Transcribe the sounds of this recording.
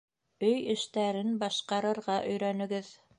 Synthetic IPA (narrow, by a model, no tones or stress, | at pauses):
ɵjɘ̆ʃt̪æɾɘnbɑʃqɑɾɤ̆ɾʁɑʔɵ̆jɾænɵ̆ɡɘð